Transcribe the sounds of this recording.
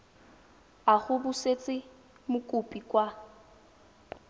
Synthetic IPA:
aχʊbʊset͡sʼɪ | mʊkʼʊpʼikʼwa

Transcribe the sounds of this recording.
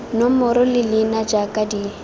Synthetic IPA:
nomʊɾɔlɪlɪnad͡ʒakʼadi

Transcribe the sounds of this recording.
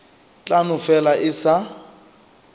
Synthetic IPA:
t͡ɬʼanʊfɛlaʔɪsa

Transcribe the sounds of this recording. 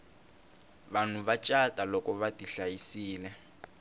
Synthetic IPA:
βan̤uβat͡ʃʼatʼalɔkɔβatiɬajisiːlɛ

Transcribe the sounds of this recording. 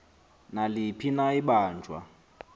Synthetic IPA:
nalɪpʰinaiɓaːnd͡ʒʱwa̰

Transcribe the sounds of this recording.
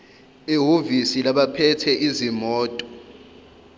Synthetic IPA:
iɦovisilaɓapʰɛtʰɛʔizimɔːtʼɔ̥

